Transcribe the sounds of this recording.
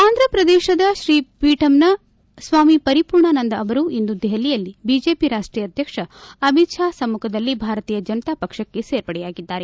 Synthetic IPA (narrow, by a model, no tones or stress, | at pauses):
aːnd̪ʱɾɐpɾɐd̪ɛːʃɐd̪ɐʃɾiːpiːʈɐmnɐ | sʋaːmipɐɾipuːɾɳɐnɐnd̪ɐːʋɐɾuind̪ud̪ɛɦɐlijɐlːibid͡ʒeːpiɾaːʂʈɾiːjɐd̪ʱjɐkʂɐɐmit̪ʃaːsɐmːukʰɐd̪ɐlːibʱaːɾɐt̪iːjɐd͡ʒɐnɐt̪aːpɐkʂɐkːe̞seːɾpɐɽɛjaːɡid̪ːaːɾe̞